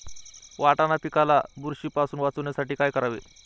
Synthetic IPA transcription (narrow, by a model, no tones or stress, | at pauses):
ʋaʈanap̪ikalabuɾɕiːpasuːnʋat͡sonjasaʈiːkajkəɾaʋḛ